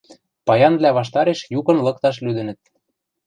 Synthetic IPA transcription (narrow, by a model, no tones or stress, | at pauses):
pɑjɑnβlʲæβɑʃ̬t̪ɑɾeʃjukɤ̆nlɤ̆kt̪ɑʃlyd̪ɘ̆nɘ̆t̪̚